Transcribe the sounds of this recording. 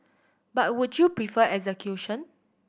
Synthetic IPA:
bat̚wudjupɹifəʔɛkzɛkʰjuʃɔ̃n

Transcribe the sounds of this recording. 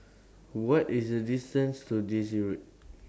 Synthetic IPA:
wɔtisdədistə̃nstudis̬iɹit̚

